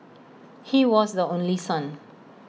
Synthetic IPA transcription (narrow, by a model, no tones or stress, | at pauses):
hiwɔsdəõnlisãn